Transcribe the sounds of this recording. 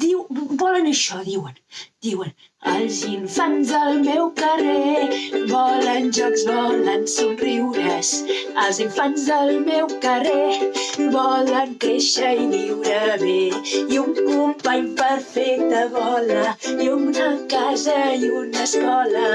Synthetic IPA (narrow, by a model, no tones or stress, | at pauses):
d̪iwbɔlənəʃɔðiwənd̪iwən | alziɱfanzəlmewkərebɔlənʒɔkzβɔlənsunriwɾəs | əlziɱfanzəlmɛwkəre | bɔləŋkeʃəjliwɾəmeiuŋkumpaɲpəɾfɛt̪əβɔləjunakazəjunəskɔlə